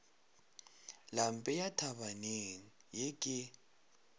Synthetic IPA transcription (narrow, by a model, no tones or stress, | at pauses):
lam̩pʼɛjatʰaβaneni | jɛkʼɪ